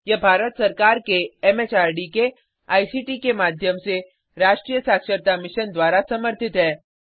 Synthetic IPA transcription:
jɐbʱaːɾət̪sɐɾkaːɾkeɛmeːt͡ʃaːɾɖike | aːisiːʈikemaːd̪ʱjəmse | ɾaːʃʈɾiːjəsaːkʃəɾt̪amɪʃənd̪waːɾasɐməɾt̪ʰɪt̪ɦɛː

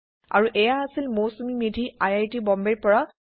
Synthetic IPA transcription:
a̰ɹuʔɛjaːsilmosumimidʱiajajtibɔmbɛɹpɔɹa

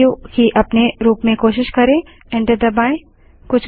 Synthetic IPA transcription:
ukiʔɐpneɾuːpmẽkoːʃɪʃkɐɾẽː | ɛ̃ɳɖəɾd̪ɐbaːɪ̃ | kʊt͡ʃʰ

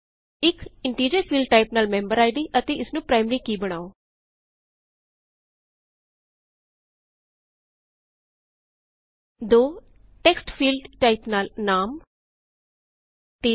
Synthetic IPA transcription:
ɪkɪɳʈiːd͡ʒəɾpʰiːlɖ̚ʈaːɪpnaːlmɛ̃ːmbəɾaːiɖ̪iːʔət̪eːɪsnũːpɾaːɪmɾiːkiːbəɽ̃aːoː | d̪oː | ʈɛːksʈpʰiːlɖʈaːɪpnaːlnaːm | t̪eː

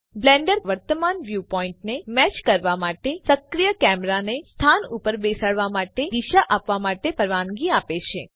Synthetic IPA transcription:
blɛ̃ɳɖəɾʋəɾt̪əmanʋjupɔĩɳʈnemɛt͡ʃkəɾʋamaʈesəkɾijəkɛmɾanest̪ʰanupəɾbesaɽʋamaʈed̪iʃaʔapʋamaʈepəɾʋanɡiapet͡ʃʰe

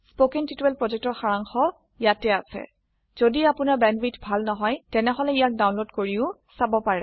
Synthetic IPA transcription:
spokɛŋtituwɛlpɹɔzɛk̚tɔɹxaɹaŋxɔ | jatɛasɛ̰ | z̥odiapʊnaɹbɛnbitbʱalnɔɦɔjtɛnɛɦɔlɛijak̚dawnlodkoɹiʊsabɔpaɹɛ

